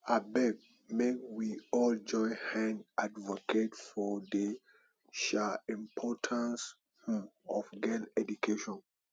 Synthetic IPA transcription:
abɛk̚ | mekwiɔld͡ʒɔ̃ɪ̃hãnadvoketfɔde | ʃaĩmpʰɔtʰãns | hɔfɡɛ̃nɛdukʰeʃɔ̃n

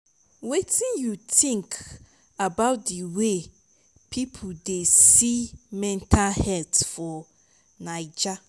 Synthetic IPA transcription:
wetʰĩnjutʰĩŋkʰ | abaʊt̚diwe | pʰipʰodesimɛ̃ntʰalhɛltfɔ | nãɪd͡ʒa

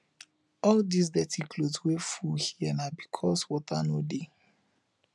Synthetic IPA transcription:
ɔldis̬dɛtʰikʰlodswefuhiɛnabikʰɔswɔtʰanode

